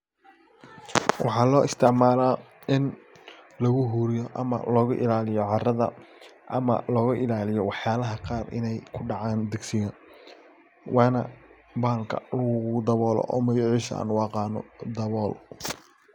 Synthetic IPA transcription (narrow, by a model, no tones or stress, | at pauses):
wʔɑ̰ħɑːlɔːʔɪst̪ʰɪʕmaːlaː | ɪn | lɐɣʊɦuːɾɪjɔʔɐmɐ̰lɔːɣʊʔɪ̰laːlɪjɔʕɑrɐðɐ̰ʔɐmɐ̰lɔːɣʊʔɪlaːlɪjɔwɑħjaːlɐɦɐqɑːrɪ̰nɛjkʰʊɖɑʕaːnd̪ɪɡsɪɣɐ | wʔɑːnɐ | baːlkʰɐ̰lɐɣʊd̪ɐβɔːlɔ̰ʔɔ̰ːmɐjʊʕɪʃa̰ːnwɑːqɑːnɔ̰d̪ɐβɔːl